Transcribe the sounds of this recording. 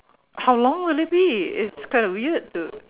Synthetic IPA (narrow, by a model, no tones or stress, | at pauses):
hawlɔ̃ŋwɪlɪt̚biɪtskãɪ̃ndɔwiəd̚tu